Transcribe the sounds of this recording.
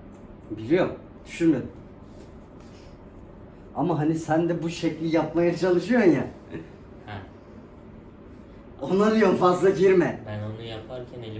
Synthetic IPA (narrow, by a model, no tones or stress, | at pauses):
bilʲijo̞ɾ | d̪̥yʃynmed̪im | amaɦanisænd̪ɛbuʃɛclʲijapmajat͡ʃʰanˠɯʃujonja | hɛ | o̞naɾɯjomfazlˠaɟiɾmɛbænonujapʰaɾcʲʰænei